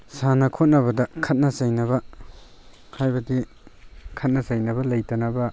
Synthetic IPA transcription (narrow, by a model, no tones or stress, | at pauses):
sanɐkʰot̚nɐβɐdɐkʰɐt̚nɐsɐjnɐbɐ | hajbɐdi | kʰɐt̚nɐzɐjnɐbɐlɐjtɐnɐbɐ